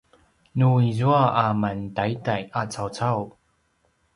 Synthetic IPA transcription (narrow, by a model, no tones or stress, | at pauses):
nuizuaʔamantajtajʔat͡sawt͡saw